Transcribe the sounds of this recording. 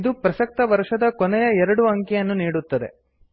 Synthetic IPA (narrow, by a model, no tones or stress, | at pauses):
d̪upɾɐsɐk̚t̪ɐʋɐɾʂɐd̪ɐkɔnɛjɐɛɾɐɽuɐŋkɛjɐnːuniːɽut̪ːɐd̪e̞̰